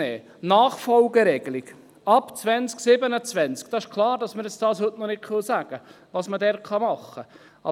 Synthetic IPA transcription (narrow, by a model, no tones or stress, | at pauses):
ɛː | nɑːχfɔlɡəɾɛɡ̥əlɪɡ̥ | ɑpt͡svɛnt͡sksɪbənət͡svɛnt͡sk̚d̥ɑɪʃkʰlˠɑːɾdɑsməɾjɛt͡sd̥ɑːshɵtnɔnɪkχɪlsæɡ̥ə | ʋɑːsmədɛɾkʰɑmɑχːə | ʔɑ̰